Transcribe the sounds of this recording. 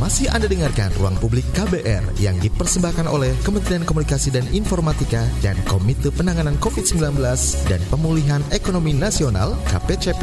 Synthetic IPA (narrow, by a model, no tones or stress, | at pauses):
masɪhandadəŋarka̰nruaŋpublɪkːabeʔɛ̰rjaŋdipərsəbahkanʔo̰lɛhkəmənt̪ɾiankomunikasidaninfɔrmat̪ikada̰nkomit̪əpənaŋanankofit̪̚səmbilanbəlasda̰npəmuliɦanekonominasiona̰lka̰pet͡ʃep